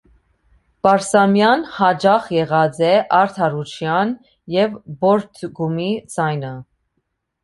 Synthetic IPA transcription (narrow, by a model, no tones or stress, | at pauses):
pɑɾsɑmjɑnhɑd͡ʒɑχjɛʁɑd͡zɛʔɑɾt̪ʰɑɾut͡ʃʰjɑn | jɛvbɔɾt̪ʰɡumid͡zɑjnə